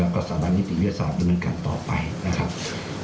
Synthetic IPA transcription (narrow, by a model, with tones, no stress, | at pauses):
lɛː˦˧wkɔː˥˩saː˨˦ma˦˥t̪̚ni˥t̪ʰi˨˩wi˥˩ə˧t̪̚saː˦˩t̚da˧mnɤː˧nka̰ː˧nt̪ɔ̰ː˨˩pa̰˧jna˦˥kʰa˦˥p̚